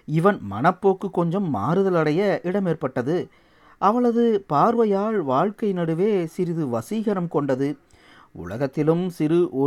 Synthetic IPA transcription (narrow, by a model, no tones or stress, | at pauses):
ɪʋɐnmɐnɐpːoːkːɯkːɔɲd͡ʒɐmːa̰ːɾɯðɐlɐɽɐjɐʔɪɽɐmeːrpɐʈːɐðɯ | ʔɐʋɐɭɐðɯpaːɾʋɐjaːɭʋaːɻkɐɪnɐɽɯʋeːsɪɾɪðɯʋɐsiːɣɐɾɐmkɔɳɖɐðɯ | ʔʊ̰ɭɐ̰ɣɐt̪ːɪlɯmsɪɾɯʔɔ